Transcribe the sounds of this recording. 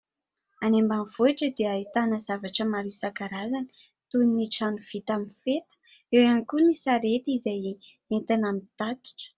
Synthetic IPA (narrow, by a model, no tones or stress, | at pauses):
anembanvoiʈ͡ʂəd̪eait̪anəz̥avaʈ͡ʂəmaɾisakaɾazani̥ | t̪uniniʈ͡ʂanuv̥it̪amifet̪ə̥ | ewanikunisaɾet̪izaj | ment̪anamit̪at̪i̥ʈ͡ʂə̥